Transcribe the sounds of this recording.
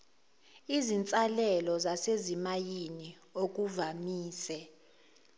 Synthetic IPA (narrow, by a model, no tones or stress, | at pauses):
izint͡sʼalɛlɔzasezimajini | ok̬uvamiːsɛ